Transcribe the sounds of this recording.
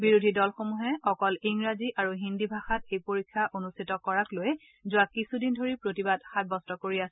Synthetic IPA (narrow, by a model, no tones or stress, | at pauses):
biɹudʱidɔlxomuɦɛɔkɔliŋɹaziʔaɹuɦindibʱaxatejpoɹikʰːaʔonustʰitɔkɔɹakloj | zʊwakːisudindʱoɹipɹotibadxat̚bɔstɔkoɹiasɛ